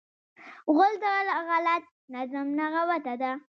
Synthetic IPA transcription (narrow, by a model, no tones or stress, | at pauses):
ɣʊld̪əlɣalat̪̚nazamnaɣawat̪ad̪a